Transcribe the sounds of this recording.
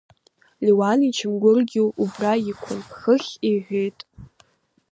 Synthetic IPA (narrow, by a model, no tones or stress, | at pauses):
liwanit͡ʃʰɪmɡʷʊrɡʲɪubraikʷʰʊnpχəχʲiħʷᶣejtʼ